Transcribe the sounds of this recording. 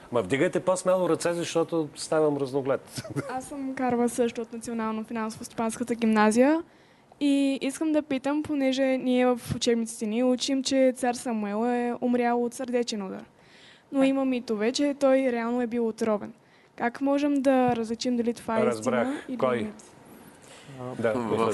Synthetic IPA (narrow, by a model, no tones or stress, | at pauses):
mɐvd̪iɡəjt̪ɛposmalˠʊɾɐt̪sɛzɐʃt̪ɔt̪ost̪avəmɾɐznoɡlɛt̪asːəmkaɾvəsɤʃt̪ʊot̪nɐt̪sionalˠnofinansovost̪o̥panskət̪əɡʲimnazijə | iiskəmd̪ɐpit̪əmponɛʒɛniɛvəfʊt͡ʃɛbnit̪si̥t̪ɛniut͡ʃimt͡ʃɛt̪saɾsamuɛlˠɛomɾʲjalˠot̪səɾd̪ɛt͡ʃɛnud̪a̰ɾ | noiməmit̪ovɛt͡ʃɛt̪ɔjɾɛalˠnoɛbilˠot̪ɾɔvɛ̰n | kakmɔʒɛmd̪ɐɾəzlit͡ʃimd̪ɐlit̪ovaɛiɾsziɾanəilkjmit̪ | d̪a